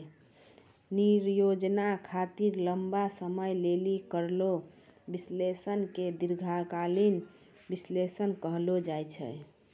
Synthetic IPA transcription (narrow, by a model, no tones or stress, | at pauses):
niɾjod͡ʒnakʰat̪iɾləmbasəməjlelikəɾlo | bislesənked̪iɾɡʱakalin | bislesənkəɦlod͡ʒajt͡ʃʰɛ̰